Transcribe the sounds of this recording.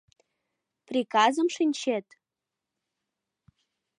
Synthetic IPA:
prʲikɑzəmʃinʲt͡ɕet̪

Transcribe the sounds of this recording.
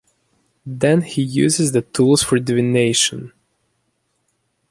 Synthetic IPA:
ðɛ̃nhijʉ̰zɪzðɨtʰulˠz̥fə˞dɨvɪneɪʃə̃n

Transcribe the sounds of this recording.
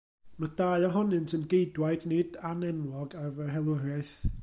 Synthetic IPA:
mad̥aːjɔɦɔnɨntʰənɡejdwaɨdnɪdanɛnwˠɔɡarvɛɦɛlˠʊrɪθ

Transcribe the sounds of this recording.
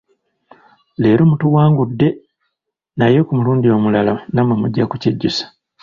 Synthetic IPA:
le̞ːɾomutuwaːŋɡudːe̞ | najekumuluːndio̞ːmulalanamwemuɟːakuceɟːusḁ

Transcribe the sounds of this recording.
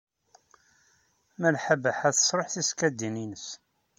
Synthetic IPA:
mælħəbəħæθə̥sˤɾˤoħθiskæd̪ːininəs

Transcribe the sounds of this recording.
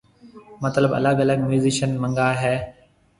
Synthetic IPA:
mɐt̪ləbɐ̰ləɠɐləɠ̚mjuːzɪʃənmə̃ŋɡaːɦɛː

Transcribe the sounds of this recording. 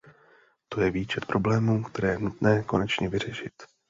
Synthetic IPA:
t̪o̞jɛviːt͡ʃɛt̪̚pɾʔo̞blɛːmuːkt̪ɛɾɛːjɛnut̪nɛːko̞̰nɛt͡ʃɲɛvɪr̝ɛʃɪt̪

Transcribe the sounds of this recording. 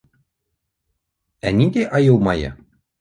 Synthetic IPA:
ænʲid̪ʲeʔɑjɤlˠmɑjɤ̰

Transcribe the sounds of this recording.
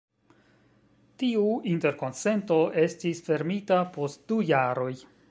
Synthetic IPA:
tiuinte̞ɾko̞nse̞nto̞e̞stisfe̞ɾmitapo̞st̚d̥ujaɾo̞j

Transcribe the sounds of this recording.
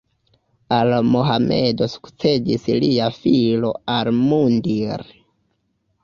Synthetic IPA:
almoɦamḛdo̞su̥kt͡se̞d͡ʒisliafilo̞almundiɾ

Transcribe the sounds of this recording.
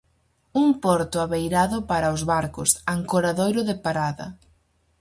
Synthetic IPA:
uŋpɔɾt̪ʊaβejɾaðʊpaɾaʊzβaɾkʊ̰saŋkoɾaðojɾʊðɪpaɾaðɐ̰

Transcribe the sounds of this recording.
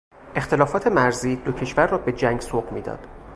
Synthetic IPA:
ʔe̞xt̪ʰe̞lɒːfɒːt̪ʰe̞mæɾziːd̪ocʰe̞ʃvæɾːɒːbe̞d͡ʒæŋɡsoːbmiːd̪ɒ̰ːd̪̥

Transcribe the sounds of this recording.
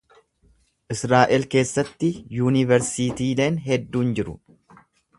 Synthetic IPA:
ʔɪsɾaːʔɪlke̞ːsːɐt̪ːɪjuːnɪvɛɾsiːt̪iːle̞ːnɦɛd̪ːuːnd͡ʒɪɾʊ̰

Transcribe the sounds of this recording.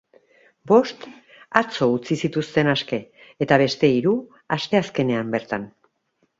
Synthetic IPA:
bo̞st̪ | at͡so̞ut͡sisit̪ust̪e̞naske̞ːt̪aβ̞e̞st̪e̞iɾu | ast̪e̞aske̞ne̞ambe̞ɾt̪an

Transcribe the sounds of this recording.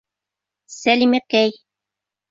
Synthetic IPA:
sælimækæj

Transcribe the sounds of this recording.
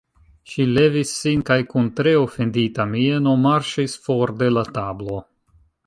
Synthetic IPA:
ʃile̞visːinkajkuntɾe̞ofe̞nditamie̞no̞maɾʃisfo̞ɾde̞latablo̞

